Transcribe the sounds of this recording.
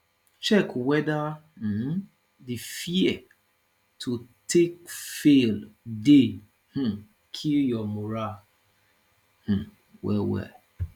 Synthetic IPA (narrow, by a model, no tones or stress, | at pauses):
t͡ʃɛkwɛda | m̩ | difiɛ | tʰutʰekfelde | h̩ | kʰiljɔmʊɾa | h̩ | wɛ̰wɛ̰